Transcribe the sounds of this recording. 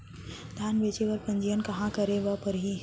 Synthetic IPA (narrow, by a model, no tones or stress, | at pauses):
d̪ʱaːnʋeːt͡ʃeʋɐɾpɐ̃ɲd͡ʒijənkɐɦãkɐɾeʋəpəɾɦi